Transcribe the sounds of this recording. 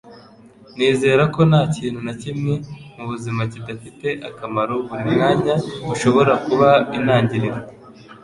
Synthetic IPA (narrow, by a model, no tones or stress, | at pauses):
neːze̞ːɾako̞naːciːn̥hunacimŋemuβuzimacidafite̞ʔakamaɾoβumunaːɲauʃo̞βo̞ɾakuβainaːɲɟiɾe